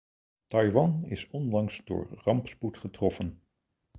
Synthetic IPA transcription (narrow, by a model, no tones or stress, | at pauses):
tɑjʋɑnɪ̰sɔndɑŋsdʊ̰ːɹrɑmpsputχətrɔfən